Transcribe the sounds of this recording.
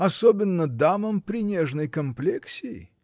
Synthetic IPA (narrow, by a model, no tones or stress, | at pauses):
ɐsobʲɪnːəd̪aməmpɾʲɪnʲeʐnəjkɐmplʲeksʲɪɪ̰